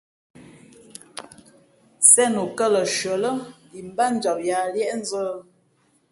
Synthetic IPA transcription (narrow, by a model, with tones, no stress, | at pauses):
sɛ˦no˨kə˦˨lə˨ʃɥə˨lə˦ | i˨m˦ba˦n̩˦d͡ʒɔ˨p̚ja˨ljɛ˦ʔn̩˦zə˦